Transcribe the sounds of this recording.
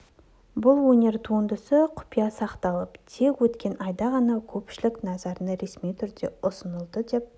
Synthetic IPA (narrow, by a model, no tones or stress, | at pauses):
bʊlˠwɵnʲe̞ɾt̪ʰuənd̪əsəqʰʊ̥pijɑsɑqt̪ɑlˠəpt̪ʰe̞kwɵt̪kʲe̞nɑjd̪ɑʁɑnɑkʲʰɵpʃɪlɪknɑzɑɾənəɾe̞smijt̪ʰʏɾd̪e̞ʊsənəlˠd̪əd̪e̞p̚